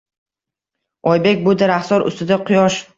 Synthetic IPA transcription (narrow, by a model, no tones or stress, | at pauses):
ɒjbe̞kʲbʊd̪aɾaχsɒɾʊ̰st̪ɪd̪aqʰʊjɒʃ